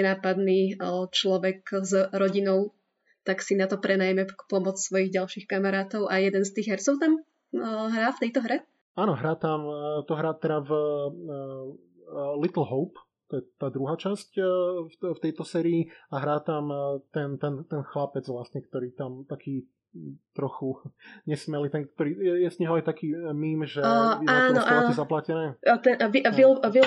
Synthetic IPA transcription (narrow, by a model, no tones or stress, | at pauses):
ɛnaːpad̪niːt͡ʃlɔʋɛkzɾɔɟinɔʊ | t̪aksinat̪ɔpɾɛnajmɛkpɔmɔt͡ssʋɔjiɣɟalʃixkamaɾaːt̪ɔʊʔajɛd̪ɛnst̪iːɣɦɛɾt͡sɔʊt̪am | ɦɾaːft̪ɛjt̪ɔɦɾɛ | aːnɔɦɾaːt̪amt̪ɔɦɾaːt̪ɛɾav | lit̪l̩ɦɔʊp | t̪ɔjɛt̪ːaːd̪ɾuɦaːt͡ʃasc | ft̪ɛjt̪ɔsɛːɾiiaɦɾaːt̪amt̪ɛnt̪ɛnt̪ɛnxlapɛd͡zʋlasɲɛkt̪ɔɾiːt̪amt̪akʰiː | t̪ɾɔxuɲɛsmɛliːt̪ɛnk̚t̪ɔɾiːjɛjɛzɲɛɦɔajt̪akiːmiːmʒɛɛaːnɔʔaːnɔɛzaplacɛnɛːt̪ɛnʋivilʋi